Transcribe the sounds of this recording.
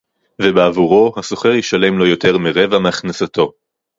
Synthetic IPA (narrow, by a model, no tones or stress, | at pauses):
vebeavuʁo̞haso̞χeʁjiʃale̞mlo̞jo̞t̪e̞ʁmeʁevameaχnasat̪o̞